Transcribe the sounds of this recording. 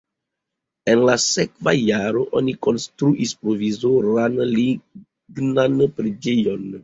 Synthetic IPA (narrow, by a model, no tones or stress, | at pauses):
e̞nlasekva̰jaɾo̞ʔoniko̞nstɾuʔispɾo̞vizoɾanli | ɡnanpɾed͡ʒejo̞n